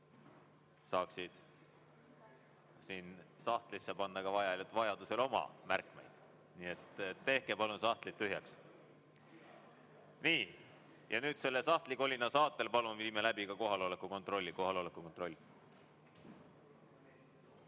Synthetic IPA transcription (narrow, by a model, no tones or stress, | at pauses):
sɑːksid̪̥ | siːnsɑht̪lisːɑpɑnːɑkɑvɑjɑlʲut̪vɑjɑd̪use̞lo̞mɑ̰mærkˑmḛjd̪̥ | niːe̞t̪et̪ːe̞hke̞pɑlunsɑht̪lit̪ːyɦjɑks | niː | jɑnyːd̪̥se̞lːesɑht̪likolʲinːɑsɑːt̪ːˑe̞lpɑlunviːme̞læb̥ikɑko̞ɦɑlo̞lekːˑuko̞nt̪ro̞lʲːiko̞ɦɑlo̞lekːˑukot̪ro̞lʲː